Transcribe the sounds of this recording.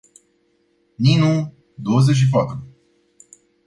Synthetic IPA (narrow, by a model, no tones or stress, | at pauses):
ninu | d̪o̞wəzet͡ʃ̬ʲʃ̬ip̬at̪ɾu